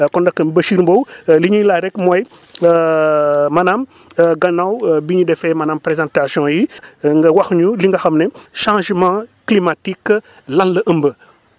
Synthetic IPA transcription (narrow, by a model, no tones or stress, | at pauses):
kɔndɐkːəbɐʃiɾmbowliɲulaɾɛkmoj | mɐnam | ɡɐnawbiɲudɛfɛmɐnampɾezãntasjɔ̃jiŋɡɐwɐxɲuliŋɡɐxɐmneʃãʒmãklimatikː | lanlɐʔəmbə